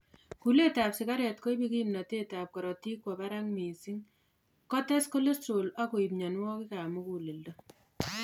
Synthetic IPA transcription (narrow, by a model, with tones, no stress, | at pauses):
ku˨le˦tapsɪka˦ɾɛ˨tko˦jbi˦ki˦mna˨te˦ta˨p̚kɔ˨ɾɔ˨ti˦kwɔpaɾaŋmi˨si˦ŋ | kɔ˦tɛ˦sko˦le˦t͡ʃola˦ko˨i˨pɲanwɔ˦kika˨mu˦ku˨le˨ldo˦